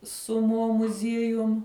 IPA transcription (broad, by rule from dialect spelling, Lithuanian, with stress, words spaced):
sʊ moː mʊˈzʲiɛjʊm